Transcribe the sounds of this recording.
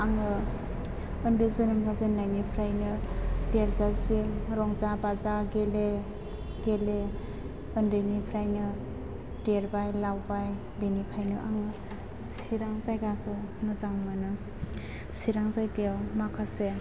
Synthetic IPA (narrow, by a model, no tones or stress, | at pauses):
aŋɯ | ɯndɯzɯnɯmɡazɯnajnipʰɾajnɯdeɾzasiɾɔŋzabazaɡele | ɡele | ɯndɯnipʰɾajnɯ | deɾbajlawbaj | benipʰajnɯʔaŋɯ | siɾaŋzajɡakʰɯnɯzaŋmɯnɯ | siɾaŋzajɡewmakʰase